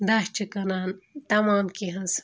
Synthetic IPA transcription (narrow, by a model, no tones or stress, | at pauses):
d̪aːɕt͡ʃʰikɐnaːnt̪ɐmaːmkiɦɐns